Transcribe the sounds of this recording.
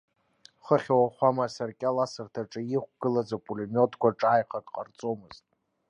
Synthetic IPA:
χəχʲawaχʷamasarkʲʼalasɨrtʰaʈ͡ʂʼɨjiχʷɡ̥ɨlad͡zapʼulemotʼkʷaʈ͡ʂʼaːjqʰakʼqʼa̰rt͡sʼo̞mɨztʼ

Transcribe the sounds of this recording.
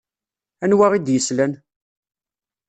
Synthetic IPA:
ænwaʁid̪jəslæn

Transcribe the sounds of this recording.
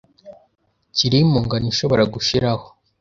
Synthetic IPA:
ciɾimuŋɡaninʃo̞βo̞ɾaɡuʃiɾaho

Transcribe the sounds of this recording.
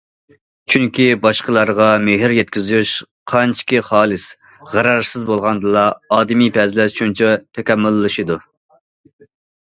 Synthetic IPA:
t͡ʃʰyŋkʲibɑʃqəlˠɑɾʁɑmeɦɪɾjɛt̪kʲizyʃ | qʰɑnt͡ʃʰi̥kʲiχɑːlˠɨs | ʁæɾɑɾsɪzbolˠʁɑnd̪ɨlˠɑɑːd̪ɪmipʰɛzlɛʃʰunt͡ʃʰɛt̪ʰɛkʲɛmːʊlˠːɨʃɨd̪u

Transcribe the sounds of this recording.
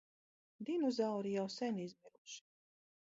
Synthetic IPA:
d̪inɔzawɾijawsɛnizmʲiɾuʃi̥

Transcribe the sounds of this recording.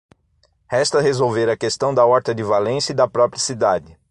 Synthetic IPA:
hɛst̪ɐɦezowveɾɐkest̪ɐ̃w̃d̪ɐɔɾt̪ɐd͡ʒɪvalẽsɐid̪ɐpɾɔpɾiɐsid̪ad͡ʒɪ

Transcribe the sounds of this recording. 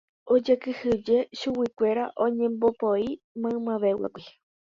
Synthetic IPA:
o̞d͡ʒekɨhɨd͡ʒe̞ʃuwikʷe̞ɾaʔõɲẽ̞mbopoi | mãɨ̃mãʋe̞wa̰kʷi

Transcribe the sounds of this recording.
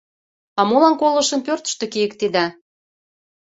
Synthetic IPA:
ɑmolɑnkolɤ̆ʃə̆mpørt̪ə̥ʃt̪ĕkijə̆k̚t̪id̪æ

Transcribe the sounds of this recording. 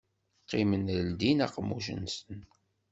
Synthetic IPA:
qːimənɾəld̪inɑ̰qmːuʃ̬ə̰nsən

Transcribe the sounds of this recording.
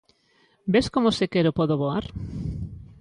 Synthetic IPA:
beskomosekeɾopoðoβoaɾ

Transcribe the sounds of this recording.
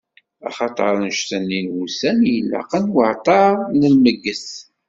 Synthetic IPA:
ɑ̰χɑt̪ˤəɾˤnʃt̪ənːinwusænjəlːɑ̰qənwəʕt̪ˤɑnəlməɡːəs

